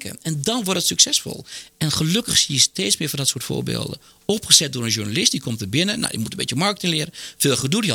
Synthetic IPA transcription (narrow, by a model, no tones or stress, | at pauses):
kə̰ɛndɔnʋɔrtətsyksɛsfɔ̰lˠɛnxəløkəxsiːəsteːtsmɪːɹfɔndɔtsuːətfo̰ːɹbḛːlˠdə̰ | ɔpxəsɛt̚dʊːɹənʒuɹnalɪstdikʰomtəbɪnəna̰dḭmutən̩mbḛtjəmɑɹkətɪŋlɪəɾəfeːlˠxədudi